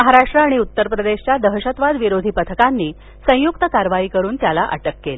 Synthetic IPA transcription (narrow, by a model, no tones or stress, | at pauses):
məɦaɾaʂʈɾəaɽ̃iut̪ːəɾpɾəd̪eɕt͡ɕjad̪əɦɕət̪ʋad̪ʋiɾod̪ʱipət̪ʰəkanːiː | sə̃juk̚t̪əkaɾʋaiːkəɾuːnt̪jalaʔə̰ʈəkːel